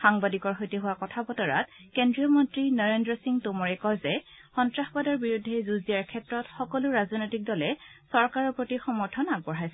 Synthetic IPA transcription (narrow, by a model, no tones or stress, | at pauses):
xaŋbadikɔɹxojtiɦʊwakɔtʰabɔtɔɹa̰tkendɹijɔmɔntɹinɔɹendɹɔsiŋtʊmɔɹɛkɔjzɛ | xɔntɹaxbadɔɹbiɹudʱːɛzuzijaɹkʰɛtɹɔtxɔkɔlʊɹazɔnojtik̚dɔlɛsɔɹkaɹɔpotixɔmɔɹtʰɔnaɡ̚bɔɹɦajsɛ